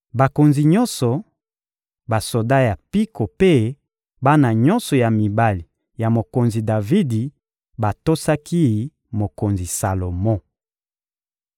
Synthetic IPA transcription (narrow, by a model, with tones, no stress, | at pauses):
ba˨ko˨nzi˨ɲɔ˦nsɔ˨ | ba˨so˨da˦ja˨pi˦ko˨pe˦ | ba˦na˨ɲɔ˦nsɔ˨ja˨mi˨ba˨li˨ | ja˨mo˨ko˨nzi˨da˨vi˦di˨ | ba˨to˦sa˦ki˦˨˦ | mo˨ko˨nzi˨sa˨lo˨mɔ̃˦